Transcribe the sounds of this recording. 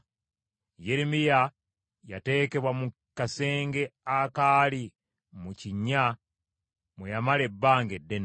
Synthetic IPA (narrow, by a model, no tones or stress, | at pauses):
jeɾimija | ja̰te̞ːke̞βwamu | kase̞ːŋɡe̞akaːli | muciɲːa | mwejamale̞bːaːŋɡedːen